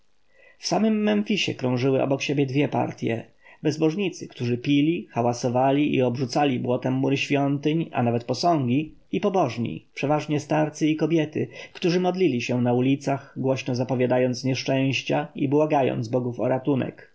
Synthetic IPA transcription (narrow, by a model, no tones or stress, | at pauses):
fsamɘmːɛnfʲiɕɛ̰kɾɔ̃w̃ʐɘwɘʔɔ̰bɔkɕebʲjɛd̪vʲjɛpa̰ɾt̪ʲjɛ | bɛzbɔʐɲit̪sɘkt̪uʐɘpʲilʲixawasɔvalʲiʔḭɔbʐut̪salʲibwɔt̪ɛmːuɾɘɕfʲjɔnt̪ɘɲa̰navɛt̪̚pɔsɔ̃ŋɡʲi | ipɔbɔʐɲḭpʂɛvaʐɲɛst̪aɾt̪sɘikɔbʲjɛt̪ɘ̰kt̪uʐɘmɔd̪lʲilʲiɕɛnaulʲit̪saxɡwɔɕnɔzapɔvʲjad̪ajɔnt̪sɲɛʂt͡ʂɛ̃w̃ɕt͡ɕaibwaɡajɔ̰nd̪zbɔɡufɔ̰ɾat̪unɛ̰k